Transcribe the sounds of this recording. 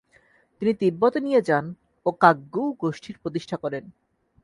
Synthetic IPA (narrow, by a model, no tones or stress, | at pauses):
t̪init̪ibːot̪onijed͡ʑan | okaɡːuwɡoʃʈʰiɾpɾot̪̬iʃʈʰakɔɾen